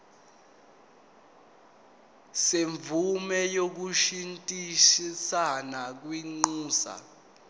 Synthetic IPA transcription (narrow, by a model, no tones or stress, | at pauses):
seɱvʱumɛjok̬uʃintʼiʃisanak̬wiŋ͡ǃuːsa̰